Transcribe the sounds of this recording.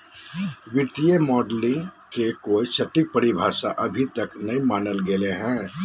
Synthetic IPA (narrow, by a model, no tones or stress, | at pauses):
ʋɪt̪ijemɔːɖlɪ̃ŋɡkekoːit͡ʃɐʈːik̚pəɽibʱaːʃa̰ʔɐbʱit̪ɐknɐimaːnəlɡeleɦɛ̃ː